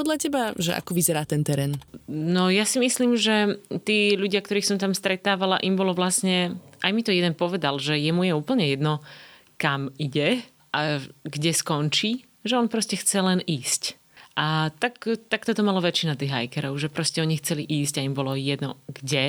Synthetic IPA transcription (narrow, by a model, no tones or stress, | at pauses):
pɔd̪lacɛbaʒɛ̰ʔa̰kɔʋizɛɾaːt̪ɛnt̪ɛɾɛːnnɔjasimisliːmʒɛt̪iːʎuɟɪak̚t̪ɔɾiːxsɔmt̪amst̪ɾɛt̪aːʋalaʔimbɔlɔʋlasɲɛʔajmit̪ɔjɛd̪ɛnpɔʋɛd̪alʒɛjɛmujɛuːpl̩ɲɛjɛd̪nɔ | kamiɟɛ | ʔaɡɟɛskɔnt͡ʃiː | ʒɛɔnpɾɔscɛxt͡sɛlɛniːsc | ʔat̪akt̪akt̪ɔt̪ɔmalaʋɛt͡ʃːinat̪iːɣɦa̰jkɛɾɔʊʒɛpɾɔscɛɔɲixt͡sɛliʔiːsɟaimbɔlɔjɛd̪nɔɡɟɛ